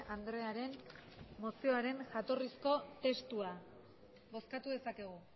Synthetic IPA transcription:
ʔand̪ɾe̞aɾe̞nmo̞sio̞aɾe̞nʝat̪o̞risko̞t̪e̞st̪ua | βo̞skat̪uðe̞sake̞ɣ̞u

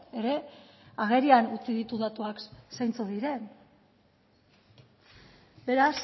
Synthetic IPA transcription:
e̞ɾe̞aɣ̞e̞ɾianut͡siðit̪uðat̪uaksajnt͡soðiɾe̞n | be̞ɾas

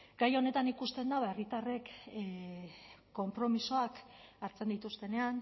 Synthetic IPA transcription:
ɡ̥ajo̞ne̞t̪anikust̪e̞nd̪aβaerit̪are̞k | o̞mpɾo̞miso̞akaɾt͡se̞nd̪it̪ust̪e̞ne̞an

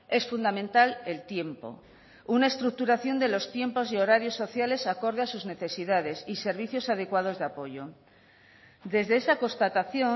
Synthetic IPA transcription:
e̞sfund̪amẽnt̪alelt̪je̞mpo̞̰ | unae̞st̪ɾuk̚t̪uɾaθjo̞nd̪e̞lo̞st̪je̞mpo̞zio̞ɾaɾjo̞sːo̞θjale̞sako̞ɾð̞easuzne̞θe̞siðað̞e̞sise̞ɾβ̞iθjo̞saðekwað̞o̞zðeapo̞ʝo̞ | d̪e̞zðe̞esako̞st̪at̪aθjo

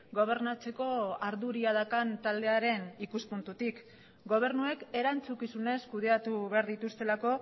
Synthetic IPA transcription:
ɡo̞β̞e̞ɾnat͡se̞ko̞aɾðuɾiaðakant̪ald̪e̞aɾe̞nikuspunt̪ut̪ik | ɡo̞β̞e̞ɾnue̞ke̞ɾant͡sukisune̞skuðe̞at̪uβe̞aɾðit̪ust̪e̞lako̞

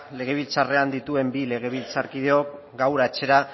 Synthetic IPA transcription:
le̞ɣ̞e̞βilt͡sare̞and̪it̪ue̞mbile̞ɣ̞e̞β̞ilt͡saɾkið̞e̞o̞k | ɡawɾat͡ʃe̞ɾa

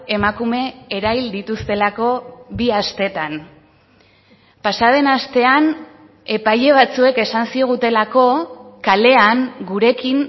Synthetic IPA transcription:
e̞makume̞eɾajld̪it̪ust̪e̞lako̞βiast̪e̞t̪an | pasað̞e̞nast̪e̞an | e̞pajʎe̞β̞at͡sue̞ke̞sansio̞ɣ̞ut̪e̞lako̞kale̞aŋɡuɾe̞kiŋ

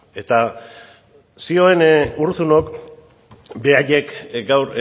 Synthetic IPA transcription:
e̞t̪a | sio̞e̞nuɾsuno̞k | be̞aʎe̞kɡawɾ

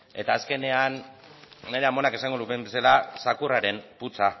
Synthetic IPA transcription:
e̞t̪aːske̞ne̞anː | e̞ɾe̞amo̞nake̞saŋɡolut̪embe̞salasakuraɾe̞mput͡sa

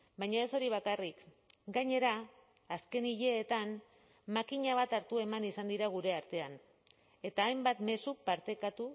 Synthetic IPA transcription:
bajɲae̞so̞ɾiβ̞akarik | ɡaɲe̞ɾaː | ske̞niʎe̞ːt̪an | makiɲaβ̞at̪aɾt̪ue̞manisand̪iɾaɣ̞uɾe̞aɾt̪e̞an | e̞t̪aːjmbat̪me̞supaɾt̪e̞kat̪u

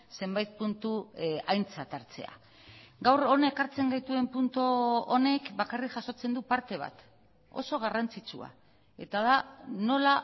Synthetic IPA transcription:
se̞mbajt̪̚punt̪uajnt͡sat̪aɾt͡se̞̰a̰ | ɡawro̞naekaɾt͡se̞ŋɡajt̪ue̞mpunt̪oone̞kbakarikʝaso̞t͡se̞nd̪upaɾt̪e̞β̞a̰t̪ | o̞so̞ɣ̞arant͡sit͡sṵa̰ | e̞̰t̪aðano̞la

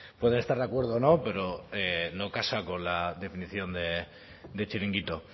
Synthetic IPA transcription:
pwe̞ð̞e̞ne̞st̪aɾðakwe̞ɾðoːno̞pe̞ɾo̞eno̞kasako̞nlaðe̞finiθjo̞nd̪e̞ | d̪et͡ʃiɾiŋɡit̪o̞

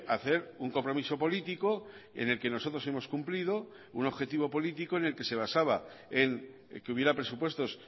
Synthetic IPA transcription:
aθe̞ɾuŋko̞mpɾo̞miso̞po̞lit̪iko̞ | e̞̰ne̞lke̞no̞so̞t̪ɾo̞se̞mo̞skumplið̞o̞ | uno̞βxe̞t̪iβo̞po̞lit̪iko̞ene̞lke̞se̞β̞asaβa | e̞ŋ | keuβje̞ɾapɾe̞supwe̞st̪o̞s

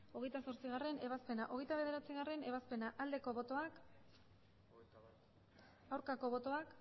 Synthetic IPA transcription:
o̞ɣejt̪asoɾt͡siɣare̞ne̞β̞aspe̞naʔo̞ɣjt̪aβe̞ð̞e̞ɾat͡siɣ̞are̞ne̞βaspe̞naʔald̪e̞ko̞βo̞t̪o̞ak | awɾkako̞βo̞t̪o̞ak

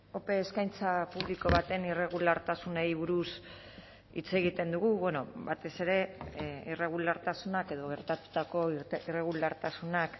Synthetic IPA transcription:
o̞pe̞ːskajnt͡sapuβliko̞βat̪e̞nire̞ɣulaɾt̪asunejβuɾus | ḭt͡se̞ɣit̪e̞nd̪uɣuβweno̞̰βat̪e̞se̞ɾe̞ire̞ɣ̞ulaɾt̪asunake̞ð̞o̞ɣ̞e̞ɾt̪at̪u̥t̪ako̞ire̞ɣ̞ulaɾt̪asunak

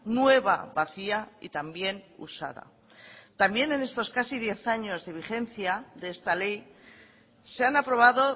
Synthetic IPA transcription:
nwe̞β̞a̰βaθiaḭt̪ambje̞nṵsa̰ða̰ | t̪ambje̞ne̞ne̞st̪o̞skasið̞je̞θaɲo̞zðe̞β̞iχe̞nθjaðeest̪ale̞j | seanapɾo̞β̞aðo̞

